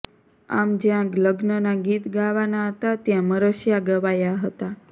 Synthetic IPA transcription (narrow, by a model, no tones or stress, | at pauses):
a̰md͡ʒjãləɡnənaɡit̪ɡaʋanaɦət̪at̪jãməɾəʃjaɡəʋajaɦət̪a